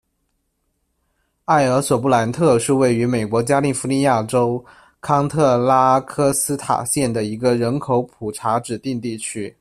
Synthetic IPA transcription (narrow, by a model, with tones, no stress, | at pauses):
a˥˩ɪə˧˥swɔ˨˩p̬u˥˩la˧˥nt̪ʰɤ˥˧ʂɻ̩˥˧we˥˩ɪy˧˥me˨˩ɪkwɔ˧˥t͡ɕja˥li˥˩fu˧˥li˥˧ja˥˩ʈ͡ʂo˥ʊ | kʰɑ˥ŋt̪ʰɤ˥˩la˥kʰɤ˥sɹ̩˥t̪ʰa̰˨˩ɕjɛ˥˩nd̪ə˩i˧˥ɡə˧ɻə˧˥nkʰo˧˥ʊpʰu˨˩ʈ͡ʂʰa˧˥ʈ͡ʂɻ̩˨˩t̪i˥˧ŋt̪i˥˩t͡ɕʰy˥